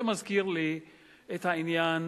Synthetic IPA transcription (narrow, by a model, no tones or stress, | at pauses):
mazkiːɾli | ʔet̪aʔɪnjaːn